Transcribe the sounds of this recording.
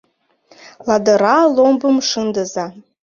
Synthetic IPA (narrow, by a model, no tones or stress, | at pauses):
ladɨɾalombɨmʂɨndɨza